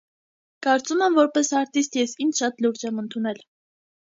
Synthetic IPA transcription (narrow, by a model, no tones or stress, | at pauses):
kɑɾt͡sumɛmvɔɾpɛsɑɾt̪ist̪jɛsint͡ʃʰʃɑt̪luɾd͡ʒɛmənt̪ʰunɛl